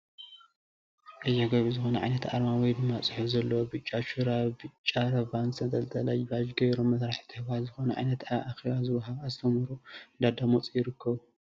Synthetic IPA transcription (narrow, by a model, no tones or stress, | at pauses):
ʔɐzɐɡɐβizɨxo̞nɐ̰ʕa̰jnɐt̪ʰa̰ɾmawijdɨmːat͡sʼɨħufzɐlːɐwobɨt͡ʃʼaʃuɾabɨt͡ʃʼːaɾɐvansɐt̪ʼɐlt̪ʰɐlajbad͡ʒɡɐjɾomːɐsɾaħi̥t̪ʰɨhβalzɨxo̞nɐʕa̰jnɐt̪aʔːxeβazɨwɐɦaβazɨt̪ʰɐmɨɾuɨnd̪ad̪amot͡sʼijɪɾɨkʰːɐβ